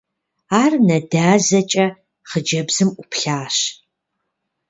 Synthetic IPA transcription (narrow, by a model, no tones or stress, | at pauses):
aːrnɐdaːzɐt͡ʃʼɐ | χəd͡ʒɐbz̥ɨmʔʷʊpʰɬaːɕ